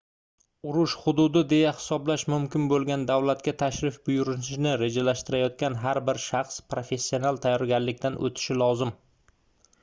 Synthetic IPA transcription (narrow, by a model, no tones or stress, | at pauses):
ʊɾʊʃχʊd̪ʊd̪ɪd̪e̞jahɪ̥sɒblaʃmʊmkʲɪnbolˠɡʲand̪awlat̪kʲat̪ʰaʃɾɪfbʊjʊɾɪnɪʃɪnɪɾe̞d͡ʒalaʃt̪ɪɾajɒt̪̚kʲanɦaɾbɪɾʃɑχspɾofe̞sːio̞nalˠt̪ʰajɒɾɡʲanlɪkʲt̪anʔo̰t̪ʰɪ̥ʃɪlɒzɪm